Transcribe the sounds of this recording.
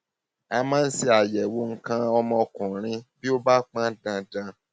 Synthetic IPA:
a˧mãː˦n̩˦si˧a˨jɛ˨wo˧ŋ̩˦kã˧ɔ˧mɔ̃˧kũ˨ɾ̃ĩ˧bi˦o˦ba˦k͡pã˦dã˧dã˧

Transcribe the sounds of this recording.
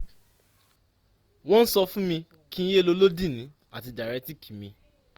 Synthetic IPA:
wɔ̃˦n̩˦sɔ˧fũ˦mĩ˧ | kĩ˦n̩˦je˦˨lo˧˦lo˦dĩ˦˨nĩ˨˦ | a˦˨ti˧da˨ɾɛ˨˦ti˦˨kʰi̥˨mĩ˧

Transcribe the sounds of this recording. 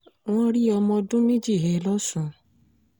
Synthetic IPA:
w̃ɔ̃˦ɾi˦ɔ˧mɔ̃˧dũ˦mĩ˦d͡ʒi˦˨ɦe˨˦lɔ˦sũ˨˧˨

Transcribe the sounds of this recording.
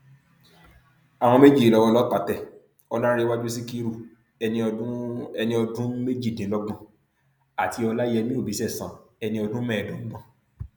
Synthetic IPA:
a˨w̃ɔ̃˧me˦d͡ʒi˦˨i˨ɔ˧wɔ˧lɔ˦k͡pa˨˦tɛ˦˨ | ɔ˧nã˦ɾi˧˦wa˦d͡ʒu˦s̬i˦ki˦ɾu˦˨ | ɛ˧nĩ˧˦ɛ˧nĩ˧ɔ˧dũ˦me˦d͡ʒi˦˨dĩ˨˦lɔ˦ɡ͡bɔ̃˦˨ | a˨tʰi˧ɔ˧la˦jɛ˧mĩ˦o˦˨bi˨˦sɛ˦˨sã˨ɛ˧nĩ˧ɔ˧dũ˦mɛ̃˦˨dũ˨˦n̩˦ɡ͡bɔ̃˦˨

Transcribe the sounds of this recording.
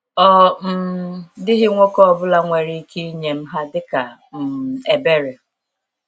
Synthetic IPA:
ɔ˦m̩˦dɪ˦ɦɪ˦ŋʷo˦kɔ˦ɔ˨bʊ˦la˦ŋʷe˨ɾi˦ki˦ɲe˨m̩˦ɦa˦dɪ˦ka˨ | m̩˨e˨be˦ɾe˨

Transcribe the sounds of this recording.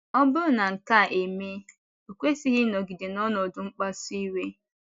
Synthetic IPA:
ɔ˦bʊ˦ɾna˨ŋ̩˨ka˦˨ʔe˨me˦ | o˨kʷe˦si˦ɦɪ˦nɔ˨ɡi˨de˨nɔ˦nɔ˨dʊ˦ŋ͡m̩˦k͡pa˦si˦we˦

